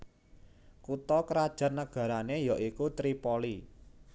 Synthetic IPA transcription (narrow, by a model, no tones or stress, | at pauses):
kut̪ɔkəɾad̥ʒ̥a̤rnːəɡ̥ä̤ɾanejɔʔikut̪ɾipoli